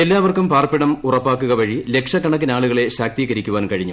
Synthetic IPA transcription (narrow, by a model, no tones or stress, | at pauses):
e̞lːaːʋɐrkumpaːrpːiɽɐmurɐpːaːkːuɣɐʋɐɻile̞kʂɐkːɐɳɐkːinaːɭuɣɐɭe̞ɕaːk̚t̪iːɣɐɾikʲːuʋaːnkɐɻiɲːu